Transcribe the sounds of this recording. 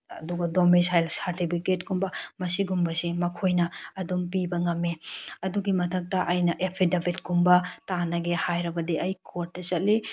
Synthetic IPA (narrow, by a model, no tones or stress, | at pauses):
ɐ̰duɡɐdomisajlsaɾtipʰiket̚ɡumbɐmɐsiɡumbɐsimɐkʰojnɐɐdumpibɐŋɐmːeɐduɡimɐtʰɐk̚tɐʔɐjnɐʔepʰidebit̚ɡumbɐtanɐɡehajɾɐbɐdiʔɐjkʰoɾtːɐt͡ʃɐt̚li